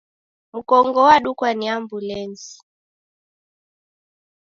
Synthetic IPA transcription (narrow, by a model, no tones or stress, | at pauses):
mukɔŋɡɔwaɗukwaniambulɛnzi̥